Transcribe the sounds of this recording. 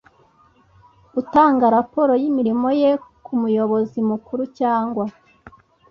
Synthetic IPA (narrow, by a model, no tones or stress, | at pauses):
utaːŋɡaɾapo̞ɾo̞jimiɾimo̞jekumujo̞βo̞zimukuɾucaːŋɡwa